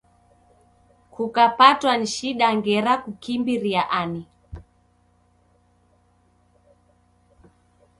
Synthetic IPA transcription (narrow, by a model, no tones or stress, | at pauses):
kukapatwan̩ʃiɗaŋɡɛɾakukimbiɾiaʔani